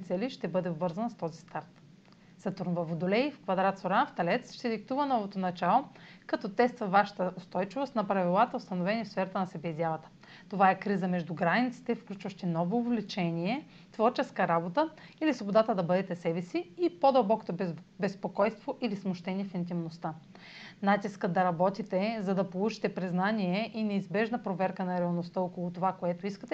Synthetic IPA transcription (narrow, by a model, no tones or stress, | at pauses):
nit̪sɛliʃt̪ɛbɤd̪ɛobvɤɾzɐnəst̪ɔzist̪aɾt̪ | z̥ɐt̪uɾnvɐvod̪olɛjfkvɐd̪ɾat̪soɾanft̪ɐlɛt̪sʃt̪ɛd̪ikt̪uvənɔvot̪onɐt͡ʃalˠokɐt̪ɔt̪ɛst̪vɐvaʃə̥t̪əost̪ɔjt͡ʃivost̪nɐpɾɐvilˠat̪əʊst̪ɐnovɛnifsfɛɾɐt̪ənɐsɛbɛizʲjalˠɐt̪ə̥ | t̪ovaɛkɾizəmɛʒd̪uɡɾanit̪si̥t̪ɛfklʲut͡ʃvɐʃt̪inɔvoːvlit͡ʃɛniɛ | t̪vɔɾt͡ʃɛskəɾabot̪əilisvobod̪at̪əd̪ɐbɤd̪ɛt̪ɛsɛbɛsiipod̪ɐlˠbɔko̥t̪obɛspokɔjst̪voʔilismoʃt̪ɛniɛfint̪̬imnost̪a | nat̪iskəd̪ɐɾɐbɔt̪it̪ɛzɐd̪ɐpolˠut͡ʃi̥t̪ɛpɾiznaniɛʔinɛizbɛʒnəpɾovɛɾkənɐɾɛɐlˠnost̪əokolˠʊt̪ovakoɛt̪oiskət̪ɛ